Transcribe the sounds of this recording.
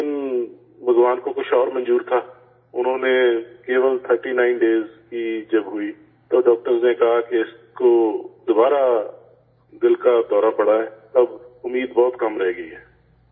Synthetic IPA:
ɪn | ʋʊzʋaːnkokʊt͡ʃʰɔːɾmə̃nd͡ʒuːɾt̪ʰaː | ʊnɦõnekeːʋəlt̪ʰəɾʈinãːɪnɖeːzkid͡ʒɐbɦʊi | t̪oːɖɔːk̚ʈəɾznekɐɦakeɪskod̪ʊbaːɾa | d̪ɪlkad̪ɔːɾapɐɽaɦɛːt̪ɐbʊmːiːd̪bɔːt̪kɐmɾɛɦeːɡəiɦɛː

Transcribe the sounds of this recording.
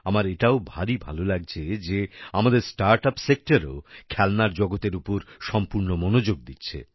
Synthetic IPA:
amaɾeʈaobʱaɾibʱa̰lolaɡ̚t͡ɕʰed͡ʑeamad̪eɾsʈaɾʈapsek̚ʈaɾo̰kʰɛlnaɾd͡ʑɔɡot̪eɾupoɾʃɔmpuɾnomonod͡ʑoɡ̚d̪itːɕʰḛ

